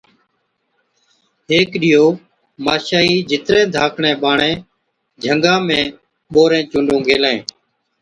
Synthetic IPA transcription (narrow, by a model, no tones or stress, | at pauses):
ɦeːkɗɪjoː | maːʃaːiːd͡ʒʱɪt̪ɾẽːd̪ʱaːkʰɳẽːɓaːɳẽː | d͡ʒʱəŋɡãːmẽː | ɓoːɾẽːt͡ʃʊ̃ːɳɖõːɡʱeːlẽː